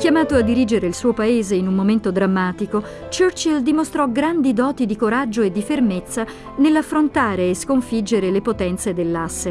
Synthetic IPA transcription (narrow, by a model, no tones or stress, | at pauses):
kʲjamaːt̪oad̪ːiɾiːd͡ʒeɾeilsuːopaeːzeinunːoment̪od̪ɾamːaːt̪iko | t͡ʃørt͡ʃild̪imost̪ɾɔɡɾand̪id̪ɔːt̪id̪ikoɾad͡ʒːoed̪ːifermet̪sːa | nelːafːɾont̪aːɾeːskoɱfid͡ʒeɾelepot̪ɛnt̪sed̪elːasːe